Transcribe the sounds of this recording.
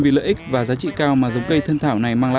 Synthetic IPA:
vi˨˩lə̰ː˧˨ʔi˦˥k̟̚vaː˨˩zaː˨˦t͡ɕḭ˧˨kaː˧wmaː˨˩zə˨˦wŋ͡mkə˧jt̪ʰə˧nt̪ʰaː˧˩wna˨˩jmaː˧ŋla̰ː˧˨

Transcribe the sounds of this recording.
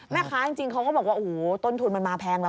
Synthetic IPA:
mɛː˥˩kʰaː˦˥t͡ɕi˧ŋt͡ɕi˧ŋkʰa˦˥wkɔː˥˩bɔː˨˩k̚waː˥˩ʔo˨hːt̪o˥˩nt̪ʰu˧nma˧nmaː˧pʰɛː˧ŋla˧˥

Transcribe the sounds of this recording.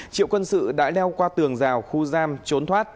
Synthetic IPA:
t͡ɕḭ˧˨əwkwə˧nsɨ̰˧˨ɗa̰ː˧˥ɗɛ˧wkwaː˧t̪ɨ˨˩əŋzaː˨˩wxu˧zaː˧mt͡ɕo˨˦nt̪ʰwaː˦˥t̚

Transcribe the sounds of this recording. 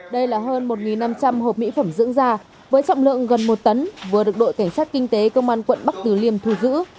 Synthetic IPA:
ɗə˧jlaː˨˩ɦəː˧nmo˨˩t̚ŋi˨˩nːa˧mt͡ɕa˧mɦo˨˩p̚mḭ˧˥fə˧˩mzɨ̰˧˥əŋzaː˧ | vəː˨˦jt͡ɕɔ̰˧˨wŋ͡mlɨ̰˧˨əŋɣə˨˩nmo˨˩t̚t̪ə˨˦nvɨ˨˩əɗɨ˨˩ək̚ɗo̰˧˨jka˧˩ŋ̟saː˦˥t̚kï˧ŋ̟t̪e˨˦kə˧wŋ͡mʔaː˧nkwə̰˧˨nɓa˦˥k̚t̪ɨ˨˩li˧əmt̪ʰu˧˩zɨ̰˧˥

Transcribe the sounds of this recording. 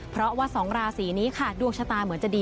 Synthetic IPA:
pʰɾɔ˦˥ʔwaː˦˥˩sɔː˩˦ŋɾaː˧siː˩˦niː˦˥kʰa˦˨˩du˨˩ək̚sʰa˧t̪aː˧mɯ˩˦nt͡ɕa˨˩diː˧

